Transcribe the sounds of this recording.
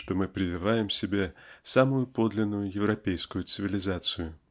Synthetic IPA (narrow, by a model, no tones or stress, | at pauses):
ʂt̪o̞mɨpɾʲɪvʲɪvajɪmsʲɪbʲesamʊjʊpo̞d̪lʲɪnːʊjʊjɪvɾɐpʲejskʊjʊt̪sɨvʲɪlʲɪzat̪sɨjʊ